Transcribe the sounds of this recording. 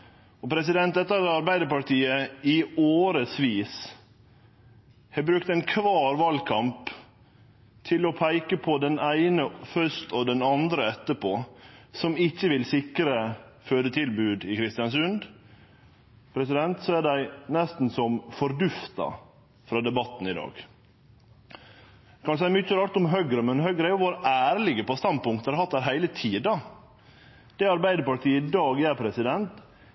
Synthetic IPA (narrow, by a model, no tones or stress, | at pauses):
ɔpʰɾɛs̬ɪd̪ɛnt̪d̪ɛt̪ːəɾɑɾbæɪd̪əɾpɑʈiːəɪoːɾəsʋiːs | hɛbɾʉkt̪æɪnkʰʋɑːɾʋɑlkʰɑmp | t̪ʰɪlɔpʰæɪkəpʰɔd̪ɛnæɪnəfœʂt̪ɔd̪ɛnɑnd̪ɾəɛt̪ːəpʰoːsɔmɪçːəʋɪlsɪkɾə | føːd̪ət̪ʰɪlbʉːd̪ɪkʰɾɪst̪ɪɑnsʉnd̪ | pʰɾɛsɪd̪ɛnt̪sɔæɖæɪnɛst̪n̩sɔmfɔɾd̪ʉft̪ɑ̰ | fɾɑːd̪ɛbɑt̪n̩ɪd̪ɑ̰ːɡ̥ | kʰɑnsæɪmʏçəɾɑːɾt̪ʊmɦœɡɾəmɛnhœɡɾəæɾjʊʋoːɾʔæːɾlɪɡəpɔst̪ɑnd̪̚pʊŋkt̪æɑɾhɑt̪̚d̪æɾɦæɪlət̪ʰiːd̪ɑ | d̪̥ɛɑɾbæɪd̪əɾpɑɾʈ̪ʰiːəd̪ɑːɡjæɾpʰɾɛsɪd̪ɛnt̪